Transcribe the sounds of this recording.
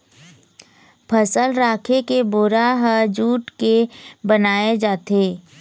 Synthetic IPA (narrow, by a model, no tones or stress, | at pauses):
pʰəsəlɾaːkʰekeboːɾaɦəd͡ʒuːʈkebənaːed͡ʒaːt̪eː